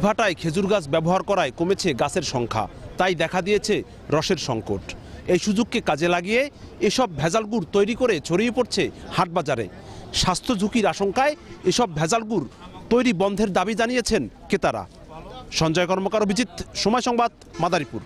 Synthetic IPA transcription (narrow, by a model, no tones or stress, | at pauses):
ibʱaʈaekʰed͡ʑuɾɡat͡ɕʰbɛboɦaɾkɔɾaekomet͡ɕʰeɡat͡ɕʰeɾʃɔŋkʰa̰t̪ajd̪ɛkʰad̪ijet͡ɕʰe | ɾɔʃeɾʃɔŋko̰ʈejʃud͡ʑoɡ̚kekad͡ʑelaɡije | eʃɔb̚bʱɛd͡ʑalɡuɾt̪ojɾikoɾet͡ɕʰoɾijepoɾt͡ɕʰehaʈ̚bad͡ʑaɾḛ | ʃast̪ʰod͡ʑʱukiɾaʃoŋkaeeʃɔbːʱɛd͡ʑalɡuɾt̪ojɾibɔnd̪ʱeɾd̪abid͡ʑanijet͡ɕʰenket̪aɾa̰ | ʃɔnd͡ʑɔekɔɾmokaɾobʱid͡ʑit̪ʃomɔjʃɔŋbad̪̚ | mad̪aɾipuɾ